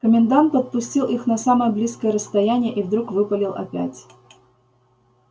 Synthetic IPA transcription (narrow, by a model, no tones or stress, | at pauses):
kəmʲɪnd̪ant̪pət̪̚pʊsʲtʲilˠʔixnɐsaməjəblʲiskəjəɾəst̪ɐjænʲɪjəʔivd̪ɾukvɨpəlʲɪlˠɐ̰pʲæ̰tʲ